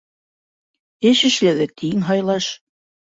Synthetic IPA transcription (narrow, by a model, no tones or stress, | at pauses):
ɘʃɘ̆ʃlæðɘt̪ʰiŋɦɑjlˠɑʃ